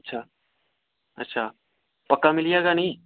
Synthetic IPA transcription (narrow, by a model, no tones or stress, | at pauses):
tːʃʰaː | ɐ̰tːʃʰaː | pɐkːamɪlijeɡanɐɦĩ